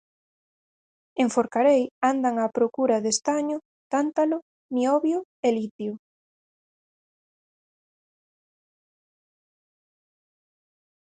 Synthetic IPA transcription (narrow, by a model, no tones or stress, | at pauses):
eɱfoɾkaɾejand̪aŋapɾokuɾaðest̪aɲʊ | t̪ant̪alʊ | miɔβjʊelit̪jʊ